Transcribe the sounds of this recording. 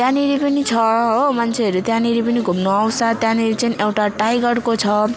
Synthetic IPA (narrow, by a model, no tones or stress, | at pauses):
t̪jãniɾipʌnit͡sʰʌɦomant͡sʰeʌɾut̪janiɾipʌniɡʱumnoaw̃sat̪janiɾit͡sʌnĩʔewʈaʈajɡʌɽkot͡sʰʌ